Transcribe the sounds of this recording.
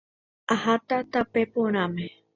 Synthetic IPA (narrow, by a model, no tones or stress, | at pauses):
ahat̪at̪apepoɽ̃ame